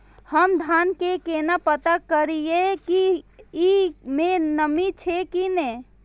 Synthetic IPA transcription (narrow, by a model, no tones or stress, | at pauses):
həmd̪ʱankekenapət̪akəɾijekiː | menəmit͡ʃʰekine